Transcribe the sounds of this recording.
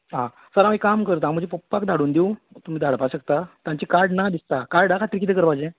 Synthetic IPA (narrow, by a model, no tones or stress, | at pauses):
ɦã | səɾãmikamkəɾt̪ãm̤əd͡ʑepopːakd̪ʱaɽuːnd̪eu | t̪um̤iːd̪ʱaɽpaɕəkt̪at̪jãɲt͡ɕikaɾɖnad̪ist̪akaɾɖakat̪ɾikit̪ekəɾpajd͡ʑẽ